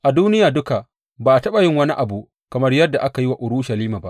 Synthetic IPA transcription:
ʔa˨duː˦nɪ˦jaː˨dʊ˦ka˨ | baː˨ʔa˨tɐ˦ɓa˨jɪ˦ŋwɐ˦ni˦ʔa˨bu˨ʔ | kɐ˨mɐ˦rjɐ˦dːa˨ʔa˦ka˨ji˦wa˨ʔʊ˨ɾuː˦ʃɐ˨liː˦maː˨ba˦ʔ

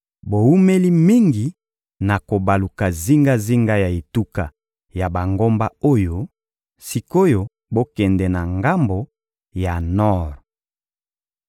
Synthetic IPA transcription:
bo˨wu˦me˦li˦mi˦ŋɡi˨ | na˨ko˨ba˨lu˨ka˨zi˦ŋɡa˦zi˦ŋɡa˦ja˨e˨tu˦ka˨ | ja˨ba˨ŋɡo˦mba˦o˦jo˦ | si˨ko˦jo˦ | bo˦kɛ˨ndɛ˨na˨ŋɡa˦mbo˨ | ja˨nɔ˦˨ʁ

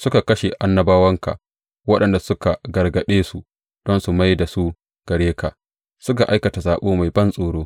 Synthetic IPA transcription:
sʊ˦ka˨kɐ˦ʃe˨ʔa˦nːɐ˦baː˦wɐ˦ŋka̰˨ | wɐ˦ɗɐ˨nda˨sʊ˦ka˨ɡɐ˨rɡɐ˨ɗeː˦su˨ | d̥ɔ˦nsu˨ma˦jda˨su˦ | ɡ̥ɐ˨ɽeː˦ka̰˨ʔ | sʊ˦ka˨ʔa˦jkɐ˨ta˨zaː˨ɓoː˦ma˨jbɐ˦nsʼoː˨ɽoː˦

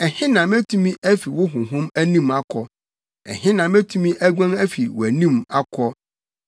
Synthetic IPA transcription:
ɛ˨hɪ̃˦nã˨mæ˦tʰũ˦mĩ˦ʔæ˦fi˨wʊ˦ɦʊ̃˨ɦʊ̃˦mæ˦nĩ˦˨ma˦kʰɔ˦ | ɛ̰˨hɪ̃˦nã˨mæ˦tʰũ˦mĩ˦ʔæ˦ɡʷã˦næ˦fi˨wæ˨nĩ˦˨ma˦kʰɔ˦

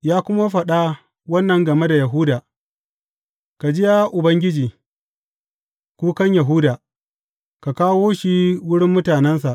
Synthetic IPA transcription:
jaː˦kʷʊ˦ma˦ɸɐ˨ɗa˦ | wɐ˦nːɐ˨ŋɡɐ˨me˦da˨jɐ˨ɦʊ˦daː˨ | ka˨d͡ʒɪ˦ja˦ʔʊ˨bɐ˦ŋɡʲɪ˦d͡ʒiː˨ | kʷuː˦kɐ˦ɲja˨ɦʊ˦daː˨ | ka˨kaː˦woː˦ʃi˦wʊ˦ɽɪ˦mːʊ˦taː˨nɛ˦nsa˨ʔ

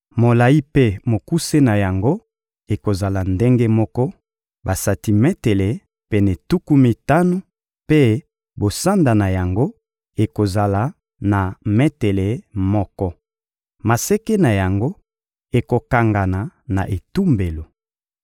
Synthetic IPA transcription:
mo˨la˨i˦pe˦mo˨ku˦se˦na˨ja˨ŋɡo˦ | e˨ko˨za˨la˨nde˦ŋɡe˦mɔ˦kɔ˦ | ba˨sa˨ti˨mɛ˦tɛ˨le˨ | pɛ˦nɛ˨tu˦ku˦mi˨ta˦no˦ | pe˦ | bo˨sa˦nda˨na˨ja˨ŋɡo˦ | e˨ko˨za˨la˨ | na˨mɛ˦tɛ˨le˨mɔ˦kɔ˦ | ma˨sɛ˦ke˦na˨ja˨ŋɡo˦ | e˨ko˨ka˨ŋɡa˨na˨na˨ʔe˨tu˦mbe˨lo˨

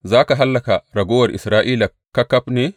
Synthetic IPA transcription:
zaː˦ka˨ɦa˦lːɐ˨ka˨ɾɐ˨ɡoː˦wɐ˨ɾʔḭ˨sɾaː˦ʔiː˦la˨ | kːɐ˦kːɐ˦pne˦

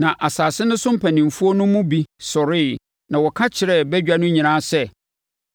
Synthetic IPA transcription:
nã˨ʔa˨saː˨sɪ˦nʊ̃˦sʊ̃˦m̩˦pʰæ˨nĩ˨m˨fu˦o˦nʊ̃˦mʊ̃˦bi˦sɔ˨ɾɪ˦˨ | nã˨wɔ˨kʰa˦t͡ɕʰɪ˨ɾɛ˦˨bɛ˦d͡ʑᶣa˦nʊ̃˦ɲĩ˨nã˦sɛ˦

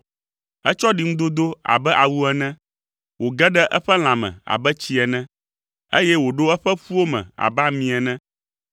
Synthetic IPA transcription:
ɛ˦t͡ʃɔ˦ɖi˨˦ŋũ˦d̪o˦d̪o˦a̰˨bɛ˦ʔa˨wu˦ɛ˦˨nɛ̃˦ | wo˨ɡɛ˦ɖɛ˦ʔɛ˦ɸɛ˦l̃ã˨mɛ̰̃˨a̰˨bɛ˦t͡ɕi˦ɛ˨nɛ̃˦ | ḛ˦jɛ˦wo˨ɖo˦ɛ˦ɸɛ˦ɸu˦wo˦mɛ̰̃˨a̰˨ba˦mĩ˨ɛ˨nɛ̃˦

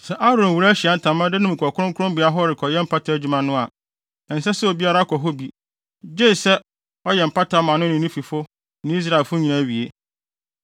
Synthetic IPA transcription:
sɛ˨ʔa˦ɾõ˨n˨wu˨ɾæ˦ɕi˨a˨˦n̩˨tʰã˨mã˦dɪ˦nʊ̃˦mĩ˨kʰʷɔ˨kʰʊ˦ɾʊ̃˦ŋkʰʊ˦ʊ̃˦mbɪ˨a˦ɦɔ˦ɾɪ˨kʰɔ˨jɛ˦m̩˦pʰa˦tʰa˨æ˦˨d͡ʑu˨mã˨nʊ̃˦a˨ | ɛ̃˨n̩˨sɛ˦sɛ˦o˨bi˦a˦ɾa˦kʰɔ˨ɦo˦bi˨ | d͡ʑe˦˨sɛ˦ | ɔ˦jɛ˨m̩˨pʰa˦tʰa˨˦mã˨nʊ̃˦nɪ̃˨nĩ˦fi˨fʊ˦ | nɪ̃˦i˦s̬ɾa˦˨e˨lfʊ˦ɲĩ˨nã˦˨ɥi˨e˦

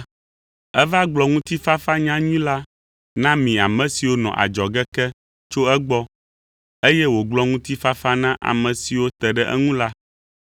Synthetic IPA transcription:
ɛ˦va˦ɡ͡blɔ˨ŋũ˦t̪i˦fa˦fa˦ɲã˦ɲĩ˦la˦ | nã˦mĩ˨a˨mɛ̃˨si˨wo˦nɔ̰̃˨ʔa̰˨d͡ʒɔ˨ɡɛ˦kɛ˦ | t͡ʃo˦ɛ˦ɡ͡bɔ˦ | e˦jɛ˦wo˨ɡ͡blɔ˦ŋũ˦t̪i˦fa˦fa˦nã˦ʔa̰˨mɛ̃˨si˨wo˦t̪ɛ˨ɖɛ˦ʔɛ̰˦ŋũ˦la˦

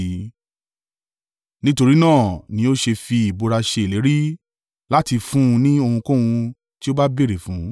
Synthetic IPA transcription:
nĩ˦to˧ɾi˦nãː˦˨nĩ˨˦o˦ʃe˧fi˧i˨bo˧ɾa˧ʃe˧˨le˨˦ɾi˦ | la˦ti˧fũ˦˧nĩ˦o˧hũ˧kõ˦wũ˧ | ti˦o˦ba˦be˦˨ɾe˨fũ˨˦

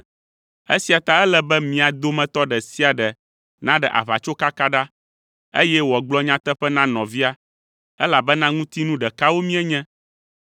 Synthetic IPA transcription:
ḛ˦si˨a˨t̪a˦ɛ˦lɛ˨bɛ˦mĩ˨a˨d̪o˦mɛ̃˨t̪ɔ˦ɖɛ˨si˦a˨ɖɛ˨ | nã˦ɖɛ˨ʔa̰˨βa̰˨t͡ʃo˦ka˦ka˦ɖa˦ | e˦jɛ˦wɔ˨ɡ͡blɔ˦ɲã˦t̪ɛ˦ɸɛ˦nã˦nɔ̃˨vi˦a˦ | ɛ˦la˨bɛ˦nã˦ŋũ˦t̪i˦nũ˦ɖɛ˨ka˦wo˦mĩ˦ɛ˦ɲɛ̃˦

